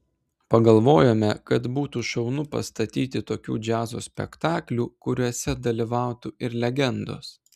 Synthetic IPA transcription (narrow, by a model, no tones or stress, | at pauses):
pɐɡɐlˠʋoːjoːmʲɛkɐt̪buːt̪uːʃɐʊnʊpɐ̰st̪ɐt̪ʲiːt̪ʲɪt̪oːkʲṵːd͡ʒʲæːzo̰ːsʲpʲɛ̰kt̪ɑːklʲuːkʊɾʲuɔsʲɛd̪ɐlʲiʋɑˑʊt̪uɪɾlʲɛɡʲɛnd̪o̰ːs